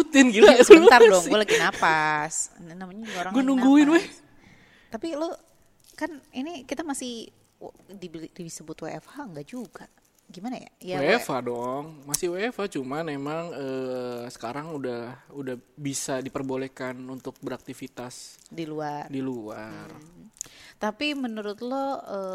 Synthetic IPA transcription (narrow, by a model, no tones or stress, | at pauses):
ut̪ɪnɡilaut̪ardɔŋɡualaɡinapasnnamaɲaɡaoɾaŋɡuanuŋɡuɪnwɛh | t̪apilo | kaninikit̪amasɪh | dibdiisəbʊt̪weɛfaŋɡaʔd͡ʒuɡa | ɡimanaja̰jawefadɔŋmasɪhwefat͡ʃumamemaŋəsə̥kaɾaŋudahudahbisadipərbolekanunt̪ʊk̚bəɾak̚t̪ifit̪asdiluardiluar | t̪apimənuɾʊt̪loə